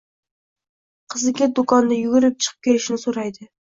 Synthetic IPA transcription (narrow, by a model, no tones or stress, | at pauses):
qʰəzɨɡʲɛd̪ukɑnd̪ɨjyɡʲyɾɪp̚t͡ʃʰə̥qʰə̥p̚kʲʰelɪʃnɪsoɾɑjd̪ɨ